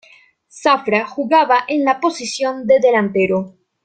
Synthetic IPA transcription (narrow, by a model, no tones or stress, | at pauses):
safɾaxuɣaβaʔenlapo̞sisjo̞nd̪e̞ðe̞lant̪eɾo